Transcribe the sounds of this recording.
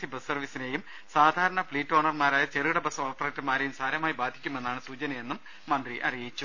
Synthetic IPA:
ibɐssɐrʋisine̞jum | saːd̪ʱaːɾɐɳɐfɭiːtːo̞ːɳɐrmaːɾaːjɐt͡ɕeriʋiɽɐbɐsɐmoːrt̪ɐreʈːmaːɾejumsaːɾjɐmaːjibaːd̪ʱi̥kʲːume̞nːaːɳɨsuːt͡ɕɐnɐje̞nːumː | ɐnd̪riʔɐ̰rijit͡ɕːu

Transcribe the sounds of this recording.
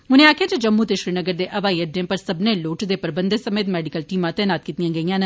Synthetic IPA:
ɦʊnẽːaːkʰjaːt͡ʃed͡ʒɐmːut̪eʃɾinəɡəɾd̪eːʔɐʋaːiːəɖ̪ẽpəɾsɐbneloːʈd̪epəɾbə̃nd̪esɐmeːt̪mɛːɖɪkəlʈiːmãt̪ɛːnaːt̪̚kiːt̪ijãːɡəijãːnə

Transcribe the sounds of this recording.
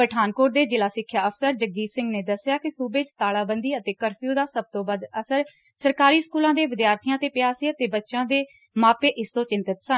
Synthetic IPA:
pɾəʈʰaːnkoːʈ̚d̪eːd͡ʒɪlaːsɪkʰːjaːəfʰsəɾd͡ʒək̚d͡ʒiːsɪ̃ŋɡneːd̪əsːɪjaːkɪsuːbeːt͡ʃt̪aːlaːbənd̪iːət̪eːkəɾpʰijũːd̪aːsəb̚t̪õːbəd̪əsəɾ | səɾkaːɾiːskuːlãːd̪eːʋɪd̪jaːɾt̪ʰijãːt̪eːpjaːsiːət̪eːbətːʃãːd̪eː | maːpeːʔɪst̪õːt͡ʃɪnt̪ɪt̪sən

